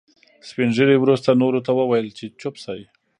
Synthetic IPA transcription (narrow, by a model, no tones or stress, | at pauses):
spinʒəɽewɾust̪anoɾot̪awəwajəlt͡ʃet͡ʃʊpsaj